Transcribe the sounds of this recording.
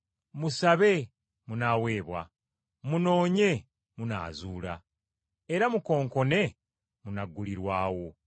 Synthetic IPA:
musaβe̞ | munawe̞ːβwa̰ | muno̞ːɲe̞ | muna̰ːzuːla̰ | eɾamuko̞ːŋko̞ne̞ | munaɡːuliɾwaːwo̞

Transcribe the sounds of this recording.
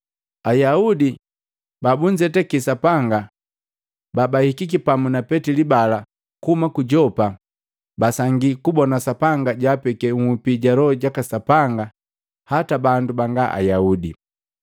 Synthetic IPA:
ajaudi | babuɲd͡ʒɛtɛkisapaŋɡa | babahikikipamunapɛtilibala | kuhumakuɟɔpa | basaŋɡikubɔnasapaŋɡaɟaːpɛkɛŋupiɟalɔɟakasapaŋɡa | hatabandubaŋɡaʔa̰jaudḭ

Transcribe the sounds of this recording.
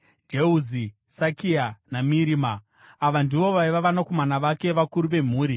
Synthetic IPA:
d͡ʒeuzi | sakianamiɾiːmaː | ʋandiʋo̞ʋaiʋaʋanakomanaʋake̞ʋakuɾuʋe̞m̤uːɾi

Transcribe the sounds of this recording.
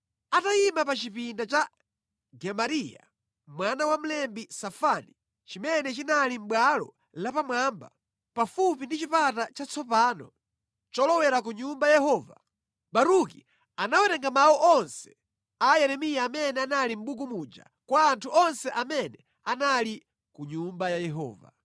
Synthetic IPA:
ataimapat͡ʃipindat͡ʃa | ɡɛmaɾija̰ | mwanawam̩lɛmbisafani | t͡ʃimɛnɛt͡ʃinalim̩ɓwalɔ̰ | lapamwaːmba̰ | pafupindit͡ʃipatat͡ʃat͡sɔpaːnɔ | t͡ʃɔlɔwɛɾak̬uɲumbajajɛɦɔːva̰ | ɓaɾuki | anawɛɾɛŋɡamaɔʔɔnsɛ̥ | ajɛɾɛmijaːmɛnɛanalim̩ɓukumud͡ʒa̰ | kwaːntʰuɔnsɛʔamɛnɛ | anali | kuɲumbajajɛɦɔ̰ːva̰

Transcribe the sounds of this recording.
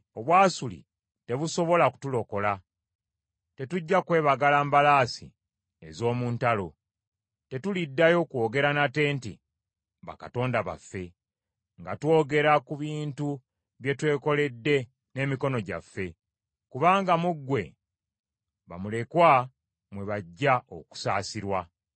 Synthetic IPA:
o̞βwaːsulḭ | te̞βuso̞βo̞laku̥tulo̞ko̞la | te̞tuɟːakwe̞ːβaɡalaːmbalaːsḭ | e̞zo̞ːmuːntalo̞ | te̞tulidːajo̞kwo̞ːɡe̞ɾanate̞ːntḭ | βa̰kato̞ːndaβa̰fːe̞ | ŋɡa̰two̞ːɡe̞ɾakuβiːntu | βje̞twe̞ːko̞le̞dːe̞ | ne̞ːmiko̞no̞ɟa̰fːe̞ | kuβaːŋɡamuɡːwe̞ | βa̰mule̞kwa | mwe̞βaɟːaʔo̞̰ku̥saːsiɾwa

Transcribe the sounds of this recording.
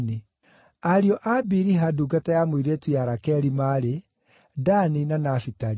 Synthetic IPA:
ni | aɾiɔʔabiɾiɦaduːɡatajamoiɾetwiaɾakɛɾimaːɾe | daninanafitaɾ

